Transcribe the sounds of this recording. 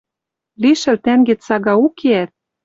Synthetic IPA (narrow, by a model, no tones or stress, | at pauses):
liʃɘ̆lt̪æŋɡet͡sɑɣɑukʰeæt̪̚